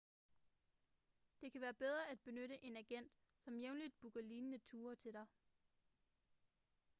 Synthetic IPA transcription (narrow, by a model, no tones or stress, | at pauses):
d̥e̝kʰæʋæːɐb̥eð̞ˠʁɐæd̥̚b̥e̝nøɾəʔe̝næɡ̥en̰d̥ | sɒ̽mjeʊnlid̥̚b̥uɡ̥ɐliːnənət͡sʰuːɐt͡sʰe̝ɾ̥ɑ̈ɪ